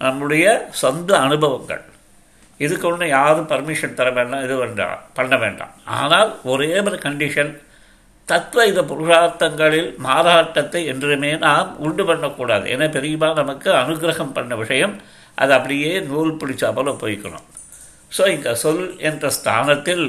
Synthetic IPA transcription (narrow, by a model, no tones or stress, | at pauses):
nɐmːɯɽɐjɐsɔnd̪ɐːnɯbʱɐʋɐŋɡɐ̰ɭ | ɪðɯkːɔnːɐjaːɾɯpɐɾmɪʂɐnt̪ɐɾɐʋeːɳɖaːmɪðɯʋɐɳɖa̰ːpɐɳːɐʋḛːɳɖa̰ːma̰ːnaːlɔɾeːʋɐɾɐkɐɳɖɪʂɐn | t̪ɐt̪ʋɐɪðɐpʊɾʊʂaːɾt̪ːɐŋɡɐɭɪlmaːɾaːʈːɐt̪ːɐɪɛndrɯmeːnaːmʊɳɖɯpɐɳːɐkːuːɽa̰ːðɯ̰ʔɛ̰nːɐpɛɾɪjɐmaːnɐmɐkːɯɐnɯɡɾɐhɐmpɐɳːɐʋɪʂɐjɐm | ʔɐ̰ðɯɐpːɐɽɪjeːnuːlpʊɽɪt͡ʃːaːpɐːlopo̰ːjɪkːɐɳo̰m | soːɪŋɡɐsɔlɛndrɐst̪ʰa̰ːnɐt̪ːɪl